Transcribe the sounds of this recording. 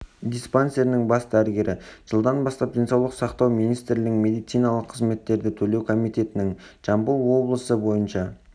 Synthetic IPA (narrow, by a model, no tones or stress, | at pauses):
d̪ijspanse̞ɾnɪŋbɑsd̪æɾɪɡʲe̞ɾʔɪʒ̥əlˠd̪ɑnbɑst̪ɑp̚d̪ensɑwlˠəqsɑqt̪ɑwmijnijst̪ɾlɪɪŋme̞d̪ijt̪sijnɑlˠəqʰːəzme̞t̪ːe̞ɾd̪ɪt̪ʰɵle̞wkʰo̞mijt̪e̞t̪ɪnɪŋ | ʒ̥ɑmbəlˠwo̞blˠəsəbo̞jənʃɑ